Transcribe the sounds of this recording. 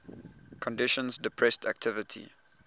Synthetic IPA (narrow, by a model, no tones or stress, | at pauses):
kʰɔ̃ndɪʃɔ̃nsdɪpʰɹɛstʰæk̚tʰɪvɪtʰḭ